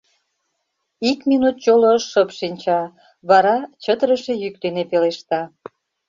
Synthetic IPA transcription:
ikminut̪̚t͡ɕoloʃəpʃinʲt͡ɕɑ | βɑɾɑt͡ɕət̪əɾəʃejyk̚d̪enepeleʃt̪ɑ

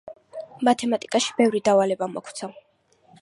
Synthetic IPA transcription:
mat̪ʰɛmat̪ʼikʼaʃi̥bɛvɾid̪avalɛbamɔ̰kʰt̪sʰa

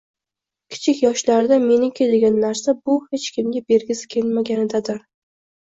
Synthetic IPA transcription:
kʲʰɪ̥t͡ʃʰɪkʲjɒʃlaɾɪd̪ame̞nɪŋkʲʰed̪ɪɡʲanːaɾsabʊhe̞t͡ʃkʲʰɪmɡʲabe̞ɾɡʲɪsɪ̥kʲʰe̞lmaɡʲanɪd̪ad̪ɪɾ

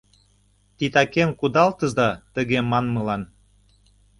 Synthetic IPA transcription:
t̪it̪ɑkemkud̪ɑlt̪ə̆zd̪ɑt̪ə̆ɣemɑnmə̆lɑn

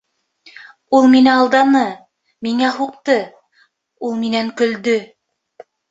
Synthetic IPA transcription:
ulˠminɘɑlˠd̪ɑnɤ | miŋæhuq̚t̪ɤ | ulˠminæŋkɵ̆ld̪ɵ

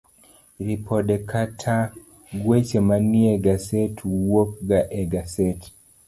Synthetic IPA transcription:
ɾipʰɔɗɛkʰatʰa | ɡwɛt͡ʃɛmaniɛɡasɛtʰuwɔk̚ɡaʔɛɡasɛt

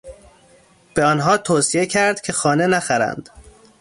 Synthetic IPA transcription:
b̥eɒːnɦɒːt̪ʰoːsie̞cʰæɾd̪̥cʰe̞xɒːne̞næxæɾæ̰nd̪̥

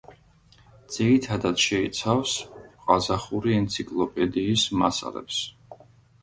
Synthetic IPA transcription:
d̪z̥iɾit̪ʰad̪at̪ʃɛit̪sʰafsqʼazaχuɾiɛnt̪sʰikʼlˠɔpʼɛd̪iːsmasa̰lɛ̰ps

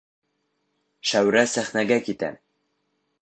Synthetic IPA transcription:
ʃæwɾæsæχnæɡækit̪æ̰

